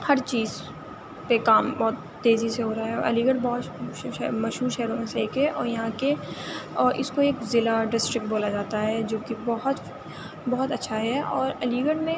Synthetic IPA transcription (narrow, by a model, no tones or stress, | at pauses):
hɐɾt͡ʃiːz | pekaːmbɔːt̪ːeːziseɦoːɾaaɦɛɔ̰ːɾɐ̰liːɡəɽbɔːt̪ɛmɐʃɦuːɾʃɛːɾõmẽseeːkɛʔɔːɾjɐɦãke | ʔɪ̰skoeːkzɪlaɖɪsʈɾɪk̚ʈ̚boːlad͡ʒaːt̪aɦɛd͡ʒõːkibɔɦʊt̪ | bɔɦʊt̪ɐtːʃʰaɦɛɔːɾɐliːɡəʈmẽ